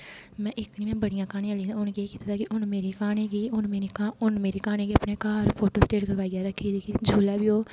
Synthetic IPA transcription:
mɛ̃ːʔɪknĩːɛ̃ːbəɽɪjãːkaːñĩãːlĩːd̪ãʊnkieːkiːt̪aːt̪aːkɪʔʊnmeːɾiːkaːñẽːɡiːʊnmeːɾiːkaʊnmeːɾiːkaːñẽːɡiəpneːkaːɾpʰoːʈoːsʈeːʈkəɾʋaːiːɡaːɾəkʰːiːd̪iːkid͡ʒʱoːlɛːbiːoː

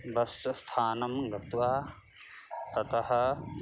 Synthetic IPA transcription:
bɐst̪ɐst̪ʰaːnɐmɡɐt̪ʋaː | t̪ɐt̪ɐɦɐ̆

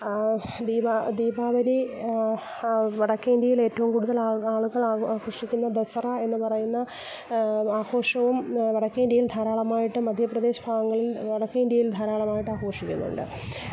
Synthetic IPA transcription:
d̪iːbad̪iːbʱaːʋɐni | ʋɐɽɐkːɐind̪jɐjile̞ːtːɐʋumkuɽuðɐlaaːɭuɣɐɭaːkrɐʂikʲːunːɐd̪ɐsɐrɐe̞nːɨpɐrɐjunːɐ | aːho̞ːʂɐʋumʋɐɽɐkːɐindjɐjild̪ʱaːɾaːɭɐmaːjiʈːɨmɐd̪ʱjɐprɐd̪e̞ːɕɐ̥bʱaːɡɐŋːɐɭilʋɐɽɐkːɐind̪jɐjild̪ʱaːɾaːɭɐmaːjiʈːɨaːko̞ːʂikʲːṵnːṵɳɖɨ̰

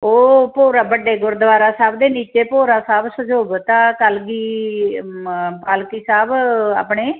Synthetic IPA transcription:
oːpoːɾaːbəɖeːɡʊɾd̪əʋaːɾaːsaːbd̪eːniːt͡ʃeːpoːɾaːsaːbsəd͡ʒoːbt̪ãːkəlɡiː | paːlkiːsaːba̰ːpɳeː

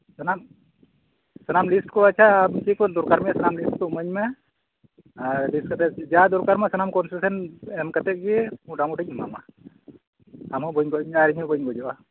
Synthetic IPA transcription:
sənam | sənamlisʈkɔat͡ʃʰamt͡ʃikɔd̪ɔɾkaɾmɛasanamlisʈ̚kɔməɲmɛ | alisʈ̚kat̪ɛd͡ʒad̪ɔɾkaɾmasanamkɔnsusɛnɛmkat̪ɛt̚ɡɛmuɖamuʈɛɲma̰ma̰ | amɔbɔɲɡɔaɾiɲɔbɔjŋɡɔd͡ʒɔʔa

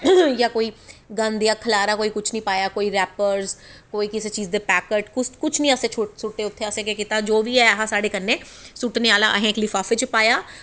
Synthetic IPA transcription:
jaːkoːiːɡãnd̪ijaːkʰəlaːɾaːkoːiːkʊt͡ʃʰnĩːpaːjaːkoːiːɾɛːpəɾzkoːiːkɪseːt͡ʃiːzd̪eːpɛːkəʈkʊkʊt͡ʃʰnĩːəseːt͡ʃʰʊsʊʈːeːʊt̪ʰːeːəsẽːkekɪt̪aːd͡ʒoːʋiːɛːɦãːsaːɖeːkənːẽːsʊʈneːaːlaːʔə̰ɦẽːklifʰaːfʰet͡ʃpaːjaː

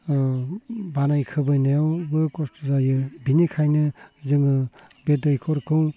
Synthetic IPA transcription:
banajkʰɯbɯjnajɔwbɯkɔstʰɔzajɯbinikʰajnɯzɯŋɯ | betɔjkʰɔɾkʰɯw

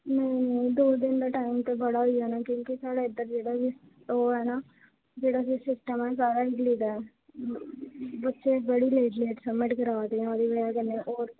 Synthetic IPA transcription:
nɛ̃ĩnẽĩd̪oːd̪ɪnd̪aʈaːɪmt̪ebɐɽaɦʊiɛːnakjõːkisaːɽeɪd̪əɾd͡ʒeːɽasis | ʈoːɦɛːna | d͡ʒeːɽasisɪsʈəmɦɛsaːɾaɪʈliːd̪aɛ | bətːʃebəɽileːʈleːʈsəmːɪʈkəɾaːt̪eɦɛ̃əd̪iʋəɽakənːeʔoːɾ

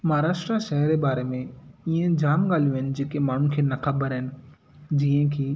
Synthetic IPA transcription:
mɐaɾaːʃʈɾaʃɛɦəɾebaːɾemẽiẽd͡ʑaːmɠaːl̤ijuɦɪnɪ̆d͡ʑeːkemaːɳ̤unɪkʰeːnɐxɐbəɾɦɪnɪ̆ | d͡ʑiːə̃kʰiː

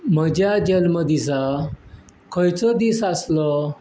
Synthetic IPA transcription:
m̤əd͡ʑjad͡ʑəlməd̪isa | kʰɔjt͡sɔd̪isaslɔ

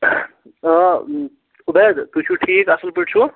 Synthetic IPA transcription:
ubed̪t̪ut͡ʃʰuʈʰiːkɐsəlpiʈt͡ʃʰu

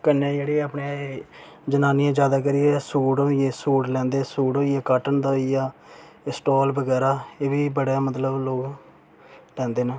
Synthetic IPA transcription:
kənːẽːd͡ʒeːɽeːəpne | d͡ʒənaːnɪjãːd͡ʒjaːd̪aːk̬əɾɪjeːsuːɖoːijẽːsuːɖlɛ̃ːnd̪eːsuːɽoːijeːkaːʈənd̪aːijaː | ɪsʈoːlbəɡɛːɾaːeːʋiːbəɽeːmət̪ləbloːɡ | lɛ̃ːnd̪eːneː

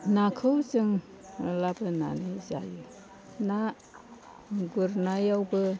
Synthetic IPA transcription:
nakʰɯwzɯŋ | labɯna̰nɯza̰ju | na | ɡuɾnajawbɯ

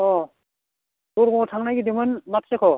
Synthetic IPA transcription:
ɔ | uɾɡɔŋɔtʰaŋnajɡidimɯnmatsekʰɔ

